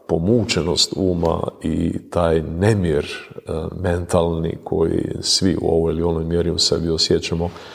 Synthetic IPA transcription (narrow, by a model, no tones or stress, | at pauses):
po̞muːt͡ʃeno̞st̪uːma̰ḭt̪aːjnemjeɾ | me̞nt̪alnḭkʰo̞̰jḭsʋiṵo̞̰ʋojilio̞nojmjeɾiusebiosjet͡ʃamo